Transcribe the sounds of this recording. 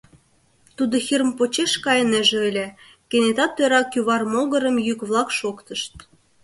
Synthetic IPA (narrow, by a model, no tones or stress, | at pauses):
t̪ud̪ŏxirmpot͡ɕeʃkɑjənĕʒeəlʲĕ | kenʲet̪ɑt̪ːøɾɑkjyβɑrmolɣə̆ɾə̆mjykβlˠɑkʃokt̪ə̆ʃt̪̚